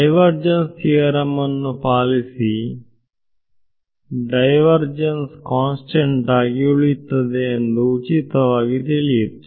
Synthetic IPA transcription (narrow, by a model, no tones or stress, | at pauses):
ɖɐjʋɐɾd͡ʒɐnsiɐɾɐmɐnːupaːlisi | ɖɐjʋɐɾd͡ʒɐnskaːnsʈeɳʈaːɡiuɭit̪ːɐd̪eːnd̪uːt͡ʃit̪ɐʋaːɡit̪eliet̪